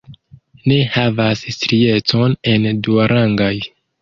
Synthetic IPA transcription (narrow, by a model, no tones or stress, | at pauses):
ne̞havasstɾie̞to̞ne̞nduaɾʔaŋɡaj